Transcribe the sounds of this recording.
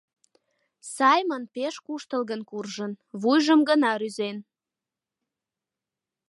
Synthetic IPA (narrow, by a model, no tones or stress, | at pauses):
sɑjmənpeʃkuʃt̪əlɣənkurʒənβujʒəmɡənɑɾyzen